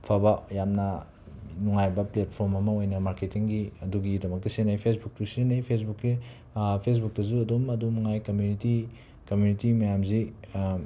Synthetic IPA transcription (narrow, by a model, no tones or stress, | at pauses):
pʰabɐjamnɐ | nuŋajbɐplet̚pʰoɾmɐmɐojnɐmaɾketiŋɡiɐduɡidɐmɐk̚tɐsenajpʰesbuk̚tusenajpʰesbukːi | pʰes̬buk̚tɐzuɐdomɐdumŋajkɐmjuniti | kɐmjunitimɐjamzi